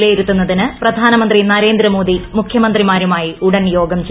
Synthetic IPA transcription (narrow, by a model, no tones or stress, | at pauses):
lejiɾut̪ːunːɐðinɨprɐd̪ʱaːnɐmɐnd̪rinɐɾe̞ːnd̪ɾɐmo̞ːd̪imukʰjɐmɐnd̪rimaːɾumaːjiuɽɐnjo̞ːɡɐmt͡ɕ